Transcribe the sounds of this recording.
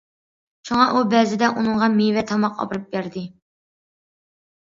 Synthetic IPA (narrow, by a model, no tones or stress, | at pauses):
ʃuŋɑʔubɛzɪd̪ɛʔunɨŋʁɑmevɛt̪ʰɑmɑqɑ̰bɾɨp̚bæɾd̪ɪ